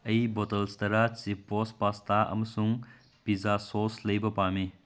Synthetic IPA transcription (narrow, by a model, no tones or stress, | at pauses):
ɐjbɔtɐlst̪ɐɾat͡sipːɔspast̪aʔɐ̰mɐsuŋ | pizasoslɐjbɐpame